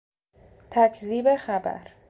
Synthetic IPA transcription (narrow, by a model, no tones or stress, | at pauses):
t̪ʰæcʰziːbexæbæ̰ɾ